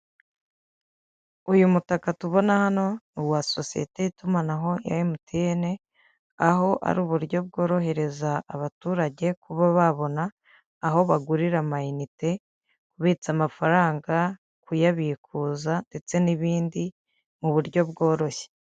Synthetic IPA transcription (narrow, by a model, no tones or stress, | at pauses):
ujumutakatuβo̞nahano̞nuwasosijḛte̞jitumanaɦo̞ja̰jimutʰeene̞ | aɦo̞ʔa̰ɾuːβuɾɟo̞b̚ɡo̞ːɾo̞ɦe̞ɾe̞zaːβatuːɾaɟe̞kʰuβaβaβo̞naː | ɦo̞βaɡuɾiɾamainite̞ | kuβit͡samafaɾaːŋɡa | kujaβiːkʰuzande̞t͡se̞niβiːndi | muβuɾɟo̞bɡo̞ːɾo̞çe̥